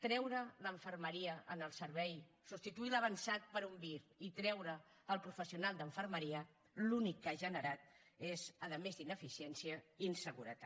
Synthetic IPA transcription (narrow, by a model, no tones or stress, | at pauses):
t̪ɾɛwɾələɱfərməɾiəʔənəlˠsəɾβɛj | sust̪it̪uiləβ̞ənsat̪̚pəɾumbiɾit̪ɾɛwɾəː | lˠpɾufəsiunalˠd̪əɱfəɾməɾiə | lunikːaʒənəɾat̪̚ | ezəðəmezd̪inəfisiɛnsiəinsəɣuɾət̪a